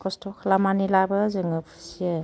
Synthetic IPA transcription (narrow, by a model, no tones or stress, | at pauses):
kʰɔstʰɔkʰlamanilabɯzɯŋɯpʰɯ̥sijə